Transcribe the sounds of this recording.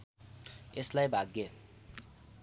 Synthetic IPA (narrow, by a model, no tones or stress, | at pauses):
eslajbʱaɡe